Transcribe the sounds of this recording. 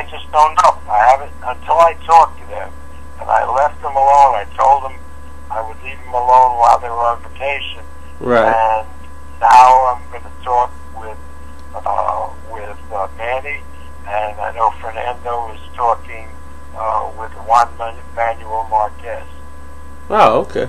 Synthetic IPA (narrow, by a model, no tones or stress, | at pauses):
ɪ̃nd͡ʒʌsnõʊ̃nʌpaɪhævɨ̃ntə̃ntʰɪlˠaɪtʰɔk̚tʰɨðɨ̰̃m | ɨ̃na̰ɪlɛft̪̚ðə̃məlõʊ̃naɪtʰoʊlˠd̪̚ə̃m | aɪwɨdˡlivə̃məlõʊ̃nwaɪlˠðəɪwə˞ɪ̃ɱvətʰeɪʃɨ̃n | ɹɨ̃nː | aʊãɪ̃mɡʌnɨtʰɔk̚wɪð̥ | wɪð̥mæni | ɨ̃naɪnoʊfə˞næ̃ndoʊʌz̥tʰɔkɪ̃ŋ | wɪðwʌ̃nmɛ̃nmæ̃njul̩ˠmɑɹkʰɛst | ʔooʊkʰḛɪ